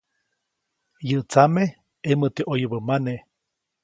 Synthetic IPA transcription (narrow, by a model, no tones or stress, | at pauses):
jəʔt͡same | emət̪eʔojəbəmane